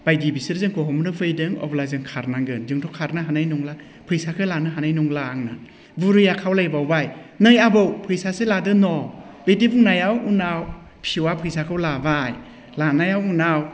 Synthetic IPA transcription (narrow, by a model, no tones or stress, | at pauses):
b̥ajdibisɾzɯŋkʰɔɦɔmɾɯpʰɯjdɯŋɔ̰blajzɯŋkʰaɾnaɡɯnzɯŋtʰɔkʰaɾnɯɦanajnuŋla | pʰɯjsakʰɯlanɯɦanajnuŋlaːŋna | buɾɯjakʰawlajbawbajnɯjabɯwpʰɯjsaseladɯnɔbejdibuŋnajawunaw | pʰiwapʰɯjsakʰɯwlabaj | lanajawunaw